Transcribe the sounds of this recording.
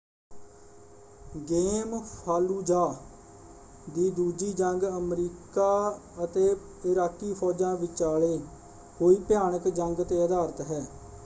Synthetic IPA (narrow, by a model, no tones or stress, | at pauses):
ɡeːmpʰaːluːd͡ʒaː | d̪iːd̪uːd͡ʒiːd͡ʒəŋɡəmɾiːkaːət̪eː | ɪɾaːkiːpʰɔːd͡ʒãːʋɪt͡ʃaːɭeː | koːiːpɪjaːnəkd͡ʒəŋɡt̪eːəd̪aːɾət̪ɦɛː